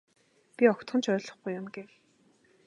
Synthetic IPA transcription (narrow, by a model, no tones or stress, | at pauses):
pʲiɔkt̪χɞ̆nt͡ɕʰœːɮɞ̆χɡujʊmɡew